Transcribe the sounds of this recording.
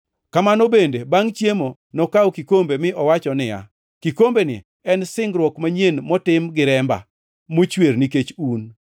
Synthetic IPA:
kamanobendebaŋt͡ʃjemo | nɔkawkikombemɪʔɔwat͡ʃɔnɪja̰ | kikombenɪ̰ | ɛnsɪŋɡɾwɔkmaɲenmɔtɪmɡɪɾɛmba̰ | mot͡ʃwerniket͡ʃun

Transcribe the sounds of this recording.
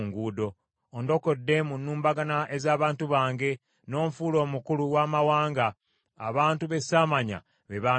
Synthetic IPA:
ŋɡuːdo̞ː | ndo̞ko̞dːe̞munːuːmbaɡanaʔe̞zaːβaːntuβaːŋɡe̞ | no̞ːɱfuːlo̞ːmukuluwaːmawaːŋɡaː | βaːntuβe̞saːmaɲa̰ | βeβa

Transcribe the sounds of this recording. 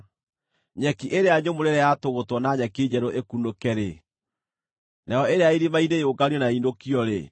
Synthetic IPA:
ɲɛkiʔeɾeaɲomoɾeɾɛjatoɣotwɔnaɲɛked͡ʑɛɾoʔekunokɛɾe | najɔeɾeaiɾimaidejoɡaniɔnaindokiɔɾḛ

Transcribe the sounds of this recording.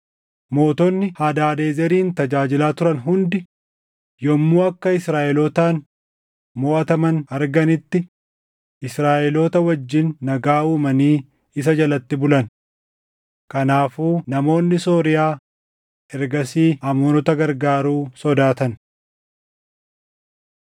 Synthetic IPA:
mo̞ːt̪ɔnːɪhaːd̪aːd̪eːzɛɾiːnt̪ɐd͡ʒaːd͡ʒɪlaːt̪ʊɾɐnɦʊnd̪ɪ | jɔmːuːɐkːɐɪsɾaːʔɛloːt̪aːn | mɔʔɐt̪ɐmɐnɐɾɡɐnɪt̪ːɪ | ʔɪsɾaːʔɛloːt̪ɐwɐd͡ʒːɪnːɐɡaːuːmɐniː | ɪs̬ɐd͡ʒɐlɐt̪ːɪbʊlɐn | kɐnaːfuːnɐmo̞ːnːɪso̞ːɾɪjaː | ɛɾɡɐsiːɐmuːnɔt̪ɐɡɐɾɡaːɾuːsɔd̪aːt̪ɐn

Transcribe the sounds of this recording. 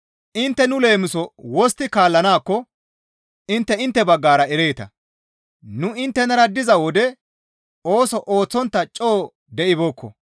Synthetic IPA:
ʔɪnt̪ːɛnʊle̞ːmɪsɔwɔs̬t̪ːɪkaːlːɐnaːkːɔ | ɪnt̪ːɛɪnt̪ːɛbɐɡːaːɾɐɛɾe̞ːt̪ɐ̰ | nʊɪnt̪ːɛnɐɾɐd̪ɪzɐwɔd̪ɛ | oːsɔʔoːt͡sːɔnt̪ːɐt͡ʃʼːoː | d̪ɛʔɪboːkʰːɔ̰

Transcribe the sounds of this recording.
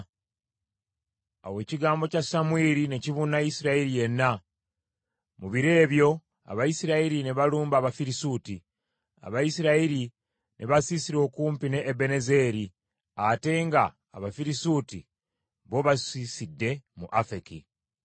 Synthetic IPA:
a̰we̞ːciɡaːmbo̞casamwiːɾine̞ciβunajisiɾaiɾije̞nːa | muβiɾe̞ːβjo̞ | a̰βajisiɾaiɾine̞βaluːmbaːβafiɾisuːti | a̰βajisiɾaiɾi | nʔeβasisiɾo̞ːkuːmpine̞ːbe̞neze̞ːɾi | ate̞ŋɡaː | βafiɾisuti | βo̞βasisidːe̞mṵʔafeki

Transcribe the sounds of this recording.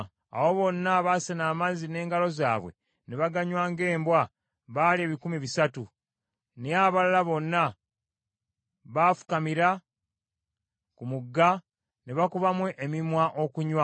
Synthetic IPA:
a̰wo̞βo̞nːaβasenaːmazine̞ːŋɡalo̞za̰ːβwe̞̰ | neβaɡaɲwaːŋɡe̞ːmbwa | βalieːβikumiβisatu | neaβalalaβo̞nːa | βafu̥kamiɾa | kumuɡːa | neβakuβamwe̞ʔemimwaʔo̞kuɲwa

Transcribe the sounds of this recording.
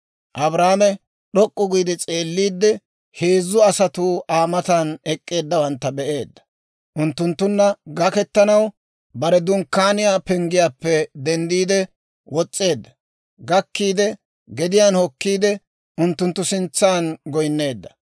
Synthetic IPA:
ʔɐbɾaːmɛ | ɗɔkʼːʊɡijd̪ɛt͡sʼe̞ːlːiːd̪ːɛ | he̞ːzːʊɐsɐt̪ʊʔaːmɐt̪anɛkʼːe̞ːd̪ːɐwɐnt̪ːɐbɛʔe̞ːd̪ːɐ̥ | ʔʊnt̪ːʊnt̪ːʊnːɐɡɐkɛt̪ːɐnɐw | bɐɾɛd̪ʊŋkːaːnɪjaːpɛŋɡɪjaːpːɛd̪ɛnd̪iːd̪ɛ | wɔt͡sʼːe̞ːd̪ːɐ̥ | ɡɐkːiːd̪ɛ | ɡɛd̪ɪjaːnhɔkːiːd̪ɛ | ʊnt̪ːʊnt̪ːʊsɪnt͡sːaːnɡɔjnːe̞ːd̪ːɐ̥

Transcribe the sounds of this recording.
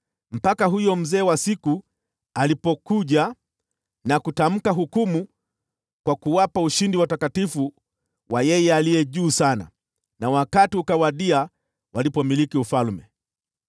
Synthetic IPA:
m̩pakaɦujɔm̩zɛːwasiku | alipɔkuʄa | nakutam̩kaɦukumu | kwakuwapauʃindiwatakatifu | wajɛjɛalijɛʄuːsana̰ | nawakatiukawaɗia | walipɔmilikiufalmɛ

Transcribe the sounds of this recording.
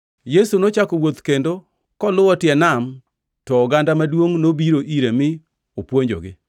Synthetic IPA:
jesunot͡ʃakɔwot̪kendo | kɔlʊɔtjɛnam | tɔɡandamadwoŋnobiɾoʔiɾemɪ | opwoɲd͡ʒo̰ɡɪ̰

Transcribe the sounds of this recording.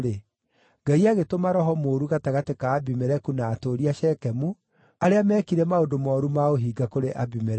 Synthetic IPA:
ɾe | ŋɡaiaɣetomaɾɔɦɔmoːɾuɣataɣatekaːbimeɾɛkunaːtoɾiaʃɛkɛmu | aɾeamɛːkiɾɛmaodomɔːɾumaoɦiːɡakoɾeʔabimeɾɛ

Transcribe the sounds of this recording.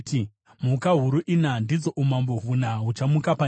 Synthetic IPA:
ti | mukaɦuɾuʔinandid͡zoʔumamboɦunaɦut͡ʃamukapa

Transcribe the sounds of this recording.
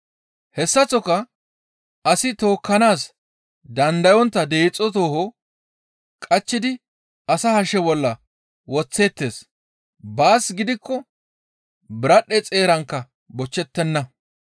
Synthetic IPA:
hɛsːɐt͡sːɔkɐ | ɐsɪt̪o̞ːkːɐnaːs | d̪ɐnd̪ɐjɔnt̪ːɐd̪e̞ːt͡sʼːɔt̪̬o̞ːhɔ | kʼɐt͡ʃːɪd̪ɪ | ɐsɐhɐʃɛbɔlːɐ | wɔt͡sːe̞ːt̪ːe̞ːs | baːsɡɪd̪ɪkːɔ | bɪɾɐɗːɛt͡sʼe̞ːɾɐŋkːɐ | bɔt͡ʃːɛt̪ːɛnːɐ

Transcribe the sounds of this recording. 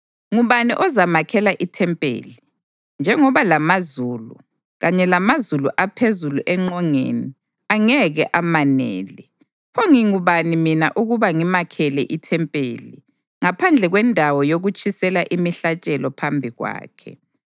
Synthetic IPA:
ŋuβaniʔɔzamakʰɛlaʔitʰɛmpʼḛːli | nd͡ʒʱɛŋɔβalamazuːlu | ɣaɲɛlamazuluʔapʰezuluʔɛŋ͡ǃɔŋḛni | aŋɛɣɛʔamanḛːli | pʰoŋiŋuβanimina̰ʔuɣuβaŋimakʰɛlɛʔitʰɛmpʼḛːli | ŋapʰand͡ɮʱɛɣwɛndʱawɔjoɣut͡ʃʰʼisɛlaʔimiɬat͡ʃʼɛlɔpʰambʱiɣwa̰ːkʰɛ̰

